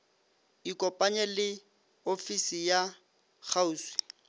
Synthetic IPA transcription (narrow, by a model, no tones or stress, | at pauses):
ikʼɔpʼaɲɛlɪ | ofisija | k͡xʰauːswi̥